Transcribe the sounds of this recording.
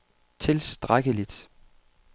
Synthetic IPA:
t͡sʰe̝lsd̥ʁaɡ̥əlid̥

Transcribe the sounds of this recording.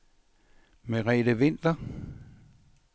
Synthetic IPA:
meʁɛːd̥əʋe̝n̰d̥ɐ

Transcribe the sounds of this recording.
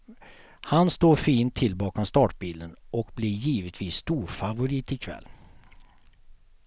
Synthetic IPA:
hanst̪oːɾfiːnt̪ʰːɪlbɑːkɔmst̪ɑːʈbiːld̪ənʔɔkblijiːvət̪ʰviːsːt̪uːɾfavʊɾiːt̪ɪkʰvɛ̰lː

